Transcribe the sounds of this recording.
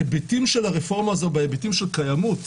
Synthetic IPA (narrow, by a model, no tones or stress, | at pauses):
ebetimʃe̞laʁefo̞ʁmaːzo̞bejebetimʃelkajamut